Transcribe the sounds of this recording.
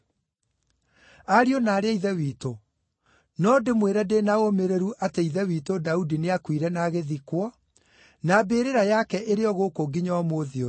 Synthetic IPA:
aɾionaːɾeaiðɛwiːto | nɔdemweɾɛdenaomeɾeɾuʔateiðɛwiːtodaudineakwiɾɛnaɣeðikwɔ | nabeːɾeɾajakɛʔeɾeɔɣokoɡiɲaɔmoðio

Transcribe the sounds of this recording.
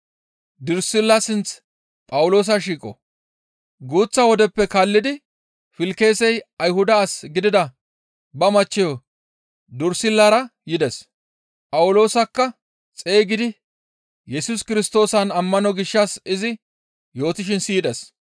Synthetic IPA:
d̪ʊɾsɪlːɐsɪnt͡s | pʼɐwʊlo̞ːs̬ɐʃ̬iːkʼɔ̰ | ɡuːt͡sːɐwɔd̪ɛpːɛkɐlːɪd̪ɪ | fɪlke̞ːsɛjɐjɦʊd̪ɐːsɡɪd̪ɪd̪ɐ | bɐmɐt͡ʃːɛjɔ | d̪ʊɾsɪlːɐɾɐjɪd̪ɛs | pʼɐwʊlo̞ːsɐkːɐ | t͡sʼe̞ːɡɪd̪ɪ | jɛsʊskɪɾɪst̪o̞ːsɐnɐmːɐnɔɡɪʃːɐsɪzɪ | jo̞ːt̪ɪʃ̬ɪnsiːd̪ɛs

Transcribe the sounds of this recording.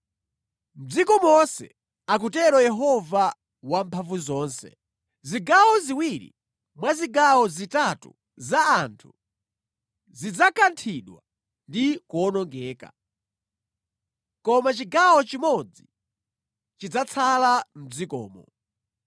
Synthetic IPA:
m̩d͡zikɔmɔnsɛ̰ | ak̬utɛɾɔjɛɦɔva | wam̩pʰaɱvuzɔːnsɛ̰ | ziɡawɔziwiɾḭ | mwaziɡawɔzitatṵ | zaːntʰu | zid͡zakantʰiɗwa | ndikɔnɔŋɡɛːka̰ | kɔmat͡ʃiɡawɔt͡ʃimɔd͡zi | t͡ʃid͡zat͡sʰalam̩d͡zikɔ̰ːmɔ̰

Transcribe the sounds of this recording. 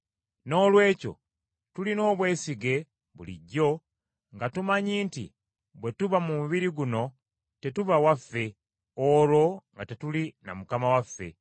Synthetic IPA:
no̞ːlwe̞ːco̞̰ | tulino̞ːβwe̞ːsiɡe̞ | βṵlḭɟːo̞ | ŋɡatumaɲiːntḭ | βwe̞tuβamumuβiɾiɡuno̞ | te̞tuβawafːe̞ | olo̞ŋɡatetulina̰mukamawafːe̞̰

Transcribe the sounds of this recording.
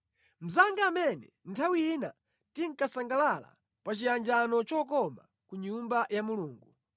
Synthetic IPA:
m̩zaŋɡaːmɛnɛ | ntʰawiina̰ | tiŋ̩kasaŋɡalala̰ | pat͡ʃijand͡ʒanɔt͡ʃɔːkɔma̰ | kuɲumbajamuluːŋɡu

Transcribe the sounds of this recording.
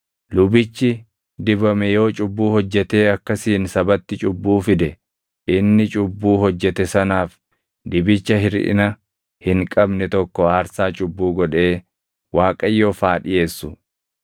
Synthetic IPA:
lʊbɪt͡ʃːɪ | d̪ɪbɐmɛjo̞ːt͡ʃʼʊbːuːhɔd͡ʒːɛt̪e̞ːɐkːɐsiːnsɐbɐt̪ːɪt͡ʃʼʊbːuːfɪd̪ɛ | ʔɪnːɪt͡ʃʼʊbːuːɦɔd͡ʒːɛt̪ɛsɐnaːf | d̪ɪbɪt͡ʃːɐɦɪɾʔɪ̰nɐ | hɪŋkʼɐbnɛt̪ɔkːɔaːɾsaːt͡ʃʼʊbːuːɡɔᶑe̞ː | waːkʼɐjːoːfaːᶑɪje̞ːsːʊ

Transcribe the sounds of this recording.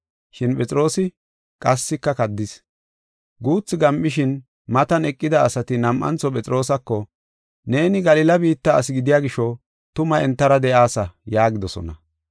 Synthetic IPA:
ʃɪnpʼɛt͡sʼɪɾo̞ːsɪ | kʼɐsːɪkːɐkɐd̪ːɪs | ɡuːt͡sːɪɡɐmʔɪʃ̬ɪn | mɐt̪ɐnɛkʼːɪd̪ɐːsɐt̪ɪnɐmʔɐ̰nt͡sːɔpʼɛt͡sʼɾo̞ːsɐkːɔ | ne̞ːnɪɡɐlɪlɐbiːt̪ːɐːsɪɡɪd̪ɪjaːɡɪʃɔ | t̪ʊmɐɛnt̪ːɐɾɐd̪ɛʔaːsɐjaːɡɪd̪ɔsɔ̰nɐ

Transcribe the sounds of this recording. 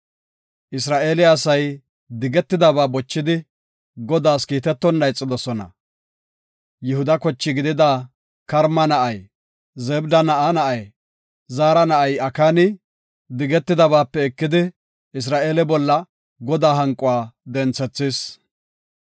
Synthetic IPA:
ʔɪsɾaːʔeːlɪɐsɐj | d̪ɪɡɛt̪ːɪd̪ɐbaːbɔt͡ʃːɪd̪ɪ | ɡɔd̪aːskiːt̪ɛt̪ːɔnːɐjt͡sʼːɪd̪ɔsɔnɐ̰ | jɪhʊd̪ɐkɔt͡ʃːɪɡɪd̪ɪd̪a | kɐɾmɐnɐʔɐj | zɛbd̪ɐnɐʔanɐʔɐj | zaːɾɐnɐʔɐjɐkaːnɪ | d̪ɪɡɛt̪ːɪd̪ɐβaːpːɛɛkːɪd̪ɪ | ɪs̬ɾaːʔe̞ːlɛbɔlːɐ | ɡɔd̪aːɦɐŋkʼːʊwaːd̪ɛnt͡sːɛt͡sːɪs

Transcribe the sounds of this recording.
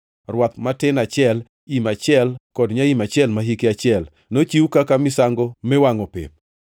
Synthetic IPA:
rwat̪̚matɪnat͡ʃɪɛl | imat͡ʃɪɛlkɔdɲaimat͡ʃɛlmaɦikeat͡ʃɪɛl | not͡ʃiwukakamɪsaŋɡomɛwaŋɔpɪ̰p̚

